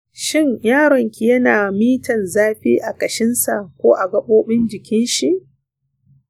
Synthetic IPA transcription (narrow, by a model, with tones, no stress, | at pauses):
ʃɪ˦ɲjaː˦ɽɔ˨ŋkʲi˨jɐ˦naː˨miː˦tɐ˨nzaː˦ɸiː˦ʔa˨kɐ˨ʃɪ˦nsa˨ʔkʷoː˦ʔa˨ɡɐ˦ɓoː˦ɓɪ˦nd͡ʒɪ˨kʲɪ˦nʃi˨ʔ